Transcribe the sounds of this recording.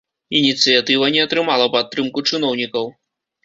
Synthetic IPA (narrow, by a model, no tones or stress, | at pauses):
inʲit̪sɨjat̪ɨvɐnʲɛɐt̪ɾɨmalˠɐpat̪ːɾɨmkut͡ʂɨn̪ɔwnʲikɐw